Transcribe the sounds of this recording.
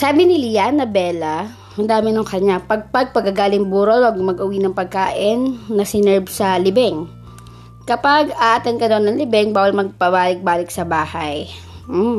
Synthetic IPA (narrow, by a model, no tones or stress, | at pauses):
saːbɪnɪlɪjanɐbɛːlɐ | hɐnd̪aːmɪnɐŋkɐɲapɐɡ̚pɐɡ̚pɐɡɐɡaːlɪŋbuːɾolwaɡmɐɡʔʊwinɐŋpɐɡ̚kaːʔɪnːɐsɪnɛɹbsɐlɪbɛŋ | kɐpaɡaːʔt̪ɐnkɐd̪onːɐŋlɪbɛŋbaːwɐlmɐɡ̚pɐbaːlɪk̚baːlɪk̚sɐbaːhɐj̩